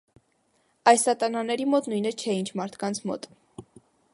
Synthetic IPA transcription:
ɑjssɑt̪ɑnɑnɛɾimɔt̪nujnɛt͡ʃʰɛint͡ʃʰmɑɾt̪ʰkɑnt͡sʰmɔ̰t̪

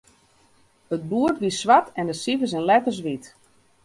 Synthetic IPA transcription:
ət̚buərtʋisʋatɛndəsivəs̬ɛnlɛtəs̬ʋit

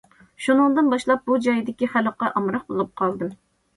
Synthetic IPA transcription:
ʃunɨŋd̪ɨnbɑʃlˠɑp̚bud͡ʒɑjd̪ɪkʲiχæləqɑʔɑmɾɑq̚bolˠup̚qʰɑlˠd̪ɨm

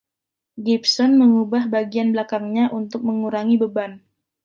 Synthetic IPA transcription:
ɡipsɔnməŋubahbaɡianblakaŋɲaʔunt̪ʊk̚məŋuɾaŋibəban

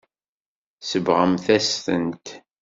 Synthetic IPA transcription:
səvʁəmθæsθə̰nt̪

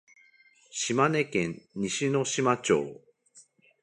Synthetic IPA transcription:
ɕimane̞kẽ̞ɲɲiɕino̞ɕimat͡ɕo̰ː

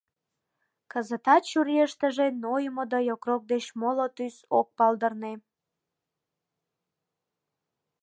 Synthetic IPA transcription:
kəzət̪ɑt̪t͡ɕuɾieʃt̪əʒenojəmod̪ojokrok̚d̪et͡ɕmolot̪ysok̚pɑld̪ərne

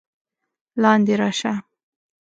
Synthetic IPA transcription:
lɑnd̪eɾɑʃa

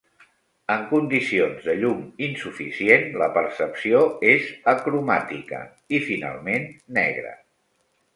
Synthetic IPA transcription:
əŋkund̪isionzðəʎuminsufḭsienləpəɾsəpsioezəkɾumat̪ikə̰ | ifina̰lˠmenːɛ̰ɣɾə̰

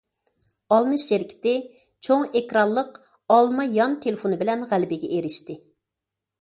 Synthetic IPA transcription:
ɑlˠmɨʃːeɾkʲʰɪ̥t̪ɪ | t͡ʃʰoŋekɾɑlˠːəq | ɑlˠmɑjɑnt̪ʰelɪfonɨbɪlɛnʁælbɪɡʲɛʔeɾɪʃt̪ɪ

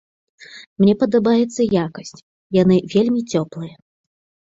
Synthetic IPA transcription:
mnʲɛpɐd̪abajɛt̪sːɐjakɐsʲt͡sʲ | janɨvʲelʲmʲit͡sʲɔplˠɨjɐ

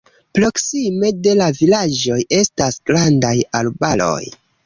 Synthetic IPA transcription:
pɾo̞ksime̞de̞lavilad͡ʒo̞je̞stasɡ̥ɾandajalbalo̞̰j

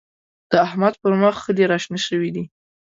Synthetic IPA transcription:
d̪̥əahmad̪̚pəɾməxxəleɾɑʃnaʃəwid̪i

